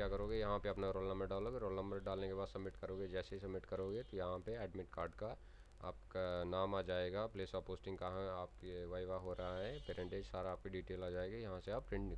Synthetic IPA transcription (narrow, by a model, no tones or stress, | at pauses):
jakɐɾoːɡejɐɦãpeɐpnaɾoːlnɐ̃mbəɖaːloːɡeɾoːlnə̃mbəɾɖaːlnekebaːd̪sɐbmɪʈkɐɾoːɡed͡ʒɛːseɦisɐbmɪʈkɐɾoːɡet̪ojɐɦãpeɛːɖmɪʈkaːɾɖka | a̰ːpkanaːmaːd͡ʒaːeːɡapleːsɔːpoːsʈɪ̃ŋɡkaɦãaːp̚keʋaːjʋaɦoːɾɐɦaɦɛ̃peːɾẽɳʈeːd͡ʒsaːɾaːp̚kiɖiːʈeːlaːd͡ʒaːeːɡajɐɦãseaːppɾɪ̃ɳʈnɪk